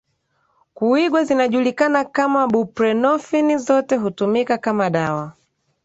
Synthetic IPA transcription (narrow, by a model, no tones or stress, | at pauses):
kuiɡwazinaʄulikanakamaɓupɾɛnɔfinizɔtɛɦutumikakamaɗawa